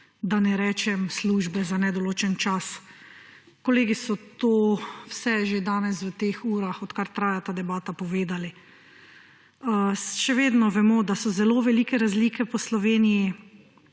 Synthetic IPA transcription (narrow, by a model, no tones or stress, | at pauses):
d̪anɛɾɛːt͡ʃɛmsluːʒbɛzanɛd̪ɔloːt͡ʃɛnt͡ʃas | kɔleːɡisɔt̪oːwsɛʒed̪aːnɛsʋət̪exuːɾaxɔt̪kaɾt̪ɾaːjat̪ad̪ɛbaːt̪apɔʋeːd̪ali | əʃɛʋeːd̪nɔʋɛmɔd̪asɔzɛloʋɛlikɛɾazliːkɛpɔslɔʋeːniji